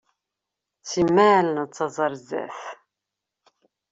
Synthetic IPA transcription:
t͡sːimːæʕlnt͡sːɑzˤɑɾˤzæ̰θ

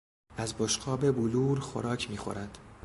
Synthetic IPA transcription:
æzboʃqʰɒːbe̞buluːɾxo̰ɾɒːcʰmiːxo̞̰ɾænd̪̥

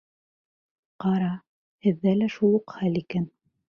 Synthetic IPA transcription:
qɑɾɑ | hɘ̆ðːælæʃulˠuqχælikæn

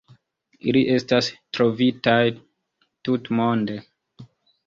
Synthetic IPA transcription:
ḭliʔe̞stastɾo̞vitaj | tutmonde

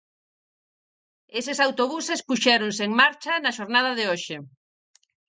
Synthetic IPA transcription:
esɪsawt̪oβusespuʃɛɾonseːŋmaɾt͡ʃɐnɐʃoɾnað̞ɐðɪoʃe

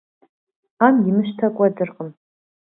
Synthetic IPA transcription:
amɡʲimɨʃtʰakʷʼadɨrqʼəm

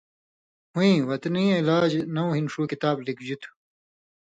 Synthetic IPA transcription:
hũĩwɐt̪niːilaːd͡ʑnɐwɦinʂuːkit̪aːblikd͡ʑut̪ʰu̥

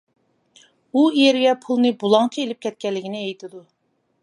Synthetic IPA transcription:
uijeɾɡʲɛpʰulˠnɨbulˠɑŋt͡ʃʰɑelɪp̚kʲʰɛt̪̚kʲɛlːɪkʲinɪejt̪ʰɪd̪u

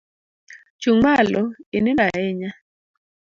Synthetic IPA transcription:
t͡ʃuŋalɔɪnɪlaeɲa

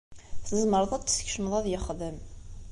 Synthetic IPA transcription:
θəzˤməɾˤðˤæt͡sːsçʃəməðˤæðjəχðəm

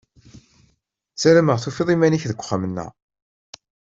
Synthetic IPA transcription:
t͡sːælməʁθufiðˤimæniçðəkʷːə̥χːamənːə̰

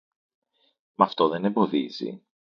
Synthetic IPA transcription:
mɐft̪o̞ðe̞nembo̞ðizḭ

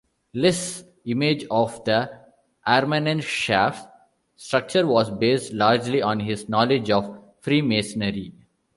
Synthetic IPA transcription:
lɪs | ɪmed͡ʒɔːʋd̪ə | ʔæɾmənə̃nʃæːf | sʈɾʌk̚t͡ʃəɾʋɔːzbeːsʈlaːɾd͡ʒliʔɔ̃ːnɦɪznɔːlɪd͡ʒɔːʋ | fɾiːmesənəɾi

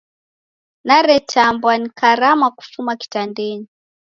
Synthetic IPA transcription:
naɾɛtambwanikaɾamaku̥fumaki̥tandɛni

